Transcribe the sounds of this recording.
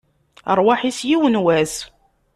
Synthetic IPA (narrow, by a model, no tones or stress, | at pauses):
əɾˤwaħisjiwənwæs